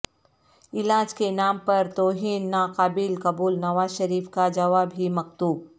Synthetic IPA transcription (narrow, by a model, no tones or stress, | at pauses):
ɪlaːd͡ʒkenaːmpɐɾt̪oːɦinːaːqaːbɪlkɐbuːlnɐʋaːzʃɐɾiːfkad͡ʒɐʋaːbɦimɐkt̪uːb̚